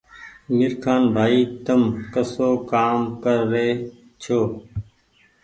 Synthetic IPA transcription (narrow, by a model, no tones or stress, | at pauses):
mɪɾkʰaːnbʱaːiːt̪əmkəsoːkaːmkəɾːeː | t͡ʃʰoː